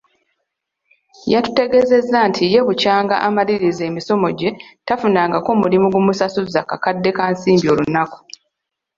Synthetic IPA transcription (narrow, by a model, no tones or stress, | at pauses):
jatu̥te̞ɡe̞ze̞zːantʰije̞βucaːŋɡa̰ʔamaliɾize̞ːmiso̞mo̞ɟe̞tafunaːŋɡakoːmulimuɡumusasuzakakadːe̞kansiːmbio̞lunaku̥